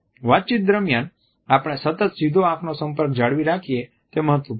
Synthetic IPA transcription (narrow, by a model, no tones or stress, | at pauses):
ʋat̪̚ːt͡ʃit̪̚d̪əɾmjan | apɽ̃esət̪ət̪sid̪ʱoakʰnosə̃mpəɾk̚d͡ʒaɽʋiɾakʰije | t̪eməɦət̪ʋəp